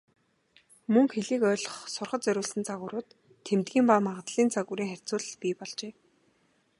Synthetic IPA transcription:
mɵŋxeɮiːkœːɮɞ̆χsʊrχə̆t̪t͡sœɾʲʊːɮsɘ̆nt͡sʰaʁʊːɾʊːt̪ʰː | emt̪̚ɡʲiːmpaːmaʁə̆t̪ɮiːnt͡sʰaɣuɾiːŋχær̥ʲt͡sʊːɮ̆ɮpʲiːpɔɮt͡ɕeː

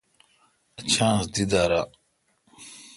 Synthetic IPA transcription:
ɐt͡ɕʰãːsd̪id̪aːɾa

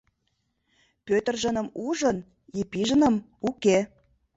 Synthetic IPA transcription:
pøt̪ərʒənə̆muʒən | ipiʒə̆nə̆m | uke

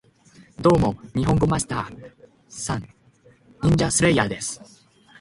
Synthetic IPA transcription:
d̪o̞ːmo̞ɲ̟iɦõ̞ŋɡo̞masi̥t̪aː | sãŋ | ĩɲ̟d͡ʑasɨɾeiad̪e̞sɨ̥

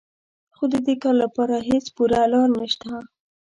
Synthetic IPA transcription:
xod̪əd̪ekɑɾlapɑɾaɦet͡spuɾalɑɾnaʃt̪a

